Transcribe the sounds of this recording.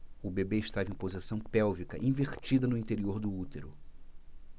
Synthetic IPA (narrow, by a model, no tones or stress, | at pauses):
ʊbebeɪʃt̪avẽpozisɐ̃w̃pɛwvikɐʔĩveɾt͡ʃid̪ɐnʊĩnt̪eɾioɾd̪ʊut̪eɾʊ